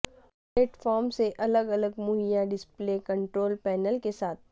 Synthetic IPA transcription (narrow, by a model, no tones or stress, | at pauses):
pleːʈfɔːɾmseʔɐləɡɐləɡmʊɦijaɖɪspleːkɐ̃ɳʈɾoːlpɛːnəlkesaːt̪̚ʰ